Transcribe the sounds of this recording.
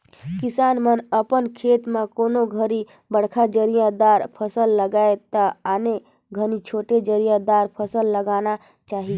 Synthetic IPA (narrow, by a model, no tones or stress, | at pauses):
kɪsaːnmənəpənkʰet̪mẽkonoɡʱəɾi | bəɽ̤kʰad͡ʒəɾijad̪aɾpʰəsəlːəɡaet̪əane | ɡʱənit͡ʃʰoʈed͡ʒəɾijad̪aɾpʰəsəlːəɡana | t͡ʃaːɦi